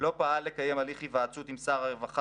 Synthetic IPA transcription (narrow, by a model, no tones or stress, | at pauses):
lo̞paalːe̞kaje̞maliχivaːt͡sut̪imsaʁaʁevaχa